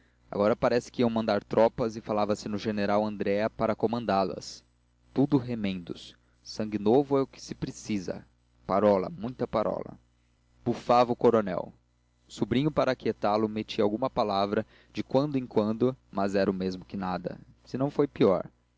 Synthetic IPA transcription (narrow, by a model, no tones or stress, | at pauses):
a̰ɡɔɾɐpaɾɛsɪ̥kɪiɐ̃w̃mɐ̃nd̪aɾt̪ɾʔɔpɐzɪfalavɐsɪnʊʒeneɾawɐ̃nd̪ɾɛɐpaɾɐkomɐ̃nd̪alɐ̰s | t̪ud̪ʊɦemẽnd̪ʊ̰sː | ɐ̃ŋɡɪnovʊɛʊkɪ̥sɪ̥pɾesizɐ̰ | paɾɔlɐ̰mũj̃t̪ɐpaɾɔ̰lɐ̰ | b̥ufavɐʊkoɾonɛ̰w | ʊsubɾĩɲʊpaɾɐakiet̪alʊmet͡ʃiɐawɡũmɐpalavɾɐ | d͡ʒɪkwɐ̃nd̪ʊẽŋkwɐ̃nd̪ʊmɐzɛɾɐʊmezmʊkɪnad̪ɐ̰ | sɪnɐ̃w̃fojpiɔ̰ɾ